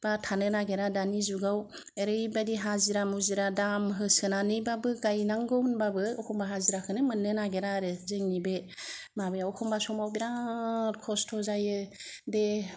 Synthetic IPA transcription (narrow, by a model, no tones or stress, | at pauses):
b̥atʰanɯnaɡeɾadanizuɡaw | eɾɯjbadiɦaziɾamuziɾadamɦɯsɯnanɯjbabɯɡajnaŋɡɯwnbabɯɔkʰɔmbaɦaziɾakʰɯnɯmɯnːɯnaɡeɾaɾɯzɯŋnibe | mabɯjawkʰɔmbasɔmawbiɾakʰɔstʰɔzajɯde